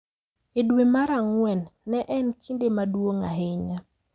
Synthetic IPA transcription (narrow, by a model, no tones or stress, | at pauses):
ɪdwemaɾaŋwɛnːɛʔɛnkʰindemadwoŋa̰ɦɪɲa